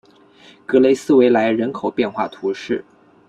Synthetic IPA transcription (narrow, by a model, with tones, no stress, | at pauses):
kɤ˧˥le˧˥ɪsɹ̩˥we˧˥ɪla˧˥ɪɻə˧˥nkʰo˨˩ʊpjɛ˥˧nxwa˥˩t̪ʰu˧˥ʂɻ̩˥˩